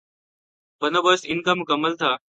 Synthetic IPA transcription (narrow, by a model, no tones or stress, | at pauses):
bənoːbəsɪnkamʊkəmːəlt̪ʰaː